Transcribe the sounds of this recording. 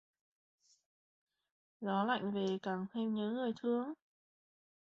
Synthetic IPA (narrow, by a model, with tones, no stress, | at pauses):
zɔ˨˦la̰˧˨jŋ̟ve˨˩kaː˧˩ŋt̪ʰe˧mɲə̰˨˦ŋɨ˨˩əjt̪ʰɨ˧əŋ